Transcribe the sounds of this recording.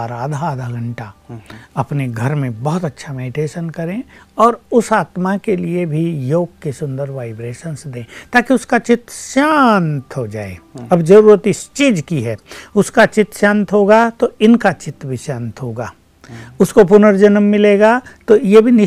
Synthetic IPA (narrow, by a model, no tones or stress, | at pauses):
ɾaːd̪ʱaaːd̪ʱaɡɐ̃ɳʈaɐpneɡʱɐɾmẽbɔɦt̪ɐtːʃʰamɛːɖɪʈeːʃənkɐɾẽɔːɾʊsaːt̪makeliebʱijoːɡ̚kesʊ̃nd̪əɾʋaːɪbɾeːʃənsd̪ẽːt̪aːkiʊskat͡ʃɪt̪ɾəʃaːnt̪ɦod͡ʒa̰ːḛɐbd͡ʒɐɾuːɾət̪ɪst͡ʃiːd͡ʒkiɦɛːʊskat͡ʃɪt̪ːʃãːnt̪ɦoːɡat̪oɪnkat͡ʃɪt̪bʱiʃãːnt̪ɦoːɡaː | ʊskop̬ʊnəɾd͡ʒənəmːɪleːɡat̪ojebʱinɪ